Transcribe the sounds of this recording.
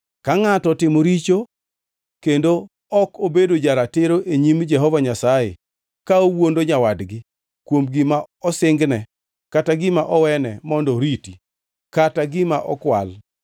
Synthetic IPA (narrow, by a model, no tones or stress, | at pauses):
kaŋatɔtɪmoɾit͡ʃo | kendo | ɔkobedod͡ʒaɾatɪɾoʔeɲimd͡ʒɛɦɔvaɲasajḛ | kaowondoɲawadɡɪ | kwomɡɪmaɔsɪŋɡnɛ | kataɡɪmaʔɔwɛnɛmɔndɔɾiti | kataɡɪmaʔɔkwa̰l